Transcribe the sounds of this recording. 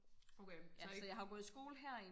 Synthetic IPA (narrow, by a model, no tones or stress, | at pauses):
ojæsɒjɑ̈ɦɑɡ̥oð̩ˠsɡ̥o̝̰ːləɦæɐ̰i